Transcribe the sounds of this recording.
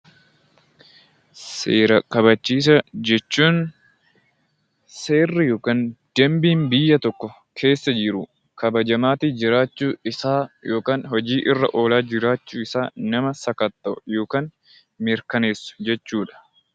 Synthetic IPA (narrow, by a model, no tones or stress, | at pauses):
seːɾɐkɐβɐt͡ʃːiːs̬ɐd͡ʒɛt͡ʃːuːn | se̞ːrːɪjoːkand̪̥ɐmbiːnbɪjːɐt̪ɔkːɔ | kʰe̞ːsːɐd͡ʒɪɾʊ | kɐbɐd͡ʒɐmaːt̪id͡ʒɪɾaːt͡ʃːuːɪsaːjo̞ːkaːnhɔd͡ʒiːʔɪrːɐ̰ʔo̞ːlaːd͡ʒɪɾaːt͡ʃːuːɪsaːnɐmɐsɐkɐt̪ʼːɐʔʊ̰jo̞ːkaːn | mɪɾkɐneːsːʊ̥d͡ʒɛt͡ʃːuːᶑɐ̥